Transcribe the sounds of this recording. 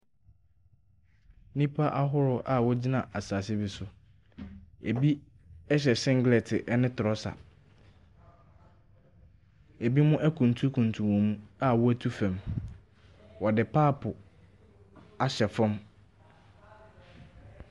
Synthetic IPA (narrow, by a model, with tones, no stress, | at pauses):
nĩ˦pʰa˦ʔa˦ɦʊ˦ɾʊ˦ʔa˦wɔ˦d͡ʑi˦nã˨ʔa˨saː˨sɪ˦bɪ˨sʊ˦ | e˨bi˦ | ɛ˦ɕ̬ɛ˨sɪ̃˦ŋɡlɛ˨tʰɪ˨ʔɛ˦nɪ̃˦tʰʊ˨ɾɔ˦sa̰˨ | æ˨bi˦mʊ̃˦ʔæ˦kʰũ˨n˨tʰu˦kʰũ˨n˨tʰũ˨wɔ̃˨m˦a˦wɔ˦æ˦tʰu˦fæ̃˨m | wɔ˨dɪ˨pʰaː˦˨pʰʊ˨ | a˨ɕɛ˨fʊ̃˦m